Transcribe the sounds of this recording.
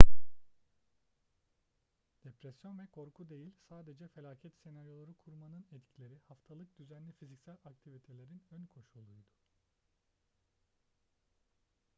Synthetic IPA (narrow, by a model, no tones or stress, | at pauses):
d̪̥epɾɛsjo̞nvɛkʰo̞ɾkʰud̪e̞jilʲsaːd̪e̞d͡ʒɛfe̞lʲaːcʰɛt̪senaɾjo̞lˠaɾukʰuɾmanɯnɛt̪cʰilʲe̞ɾihaft̪ʰalˠɯk̚d̪yzænlʲifizicsælʲak̚t̪ʰivit̪ʰe̞lʲe̞ɾinø̞nkʰo̞ʃulˠujd̪u